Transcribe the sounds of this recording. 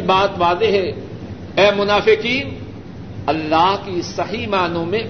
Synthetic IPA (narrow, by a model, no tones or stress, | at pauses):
baːt̪ʋaːzeɦɛː | ɛːmʊnaːfɪkiːn | ɐlːaːɦkisɐɦimaːnõmẽ